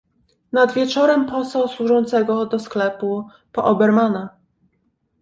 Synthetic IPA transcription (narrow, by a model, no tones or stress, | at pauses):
nad̪vʲjɛt͡ʂɔɾɛmpɔsawswuʐɔnt̪sɛɡɔd̪ɔsklɛpu | pɔʔɔbɛɾmana